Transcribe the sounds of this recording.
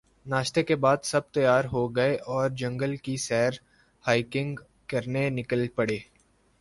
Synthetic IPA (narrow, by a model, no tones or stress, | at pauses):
naːʃt̪ekebaːd̪sɐb̚t̪ɐjaːɾɦoɡɐeʔɔːɾd͡ʒɐ̃ŋɡəlkiʃɛɦɾ | haːɪkɪ̃ŋɡ | kɐɾnenɪkəlpɐɽeː